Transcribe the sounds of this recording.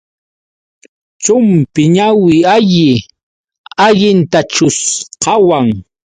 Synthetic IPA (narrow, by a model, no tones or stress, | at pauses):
t͡ʃʊmpɪɲawɪaʎɪ | aʎɪnt̪at͡ʃʊsqɑwaŋ